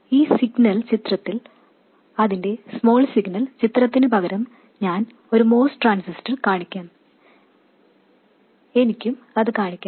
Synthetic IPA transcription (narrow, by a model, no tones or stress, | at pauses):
iːsiɡnɐɭt͡ɕit̪rɐt̪ːil | ɐðinde̞smo̞ːɭsiɡnɐlt͡ɕit̪rɐt̪ːinɨbɐɣɐɾɐm | ɲaːn | o̞ɾumo̞ːsʈʈraːnsisʈɐrkaːɳikʲːaːm | e̞nikʲːum | ɐðɨkaːɳikʲːa